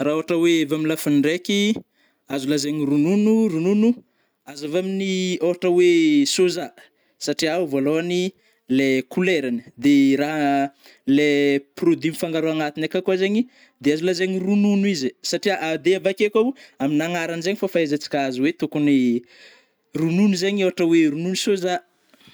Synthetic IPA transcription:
raoaʈ͡ʂəweevamilafinɖ͡ʐeki | azulazeɲirununurununu | azavaminioɦaʈ͡ʂəwesoza | saʈ͡ʂiawvoloani | lekuleɾanə̥d̪eɾaɦ | leprod̪imifaŋɡaɾoaŋat̪inakakuazeɲi | d̪eazulazeɲirununuizisaʈ͡ʂiaʔad̪eavakekʲaaminaŋaɾanizeɲifafaezat͡si̥kaazuwet̪ukuni | rununuzeɲiowaʈ͡ʂəweɾununusoza

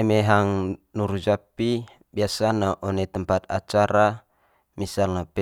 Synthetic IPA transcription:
ɛmeɦaŋnuɾud͡ʒapi | biasanaʔɔnɛt̪əmpat̪̚at͡ʃaɾa | misalnapɛ

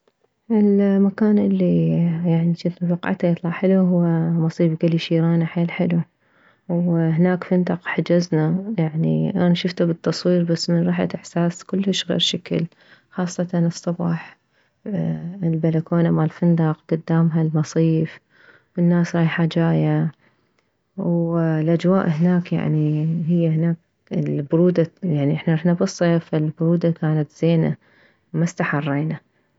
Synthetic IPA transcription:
ʔɪlmakaːnʔɪlːijaʕniʃɪt̪nafɑqʔa̰ʕt̪ajt̪ˤlɑʕħɪluɦʊwamɑsˤiːfkʊlːiʃiːɾaːnaħeːlħɪlu | whɪnaːkfɪnd̪ɑqħad͡ʒaznajaʕnḭʔanaʃʊft̪abɨt̪ːɑsˤwiːɾbasːmɪnɾˤɑːħa̰ɪħsaːskʊlːhaʃɣḛːɾʃakɪ̰l | xɑːsˤːɑt̪ɑnɨsˤːɑbɑːħ | ɪlbalakoːnamalfɪnd̪ɑqɡ̥ʊd̪ːaːmɦalmɑsˤiːf | wɪnːaːsɾˤɑːjħad͡ʒaːja | wlʔad͡ʒwaːʔhɪnaːkja̰ʕniɦɪjːahɪnaːk̚ | lbʊɾuːd̪ajaʕniʔɪħnaɾˤɑħnabɨsˤːeːfalbʊɾuːd̪akaːnat̪z̥eːna̰ | mast̪aħɑrˤːeːna

